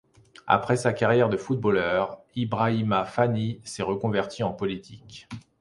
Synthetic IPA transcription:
a̰pχɛsakaʁjɛʁd̪əfut̪̚bolœʁ | ibʁaimafanisɛʁəkɔ̃vɛʁt̪ʰiɑ̃pɔlit̪ʰik

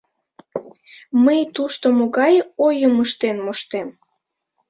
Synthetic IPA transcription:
məjt̪uʃt̪omoɣɑjojəməʃt̪enmoʃt̪em

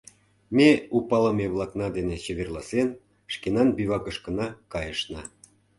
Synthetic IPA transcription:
mʲeupɑlə̆meβlˠɑknɑd̪enet͡ɕeβerlɑsen | ʃkenɑnbyβɑkə̆ʃkə̆nɑkɑjəʃnɑ

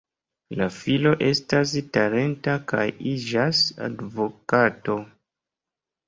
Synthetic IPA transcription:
lafilo̞ʔe̞stas̬taɾe̞ntakajid͡ʒasa̰dvo̞kato̞

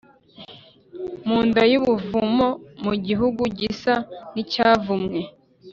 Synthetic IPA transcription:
muːndajuβuvumomuɟiɦuɡuɟisanicaːvumŋe

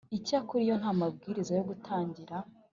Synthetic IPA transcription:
icakuɾijo̞nhaːmab̚ɡiːɾizojo̞ɡutʰaːɲɟiɾa

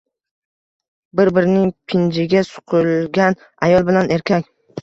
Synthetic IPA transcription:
bɪɾbɪɾɪnɪŋpʰɪnd͡ʒɪɡʲasʊ̥qʰʊlˠɡʲan | ajɒlˠbɪlane̞ɾkʲʰakʲ

